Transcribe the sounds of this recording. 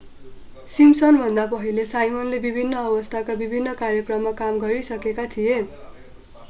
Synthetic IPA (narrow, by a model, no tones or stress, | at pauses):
simsʌnbʱʌnd̪apʌɦilesajmʌnlebibʱinːʌːbʌst̪ʰakabibʱinːʌkaɾjʌkrʌmːakamɡʌɾisʌkekat̪ʰije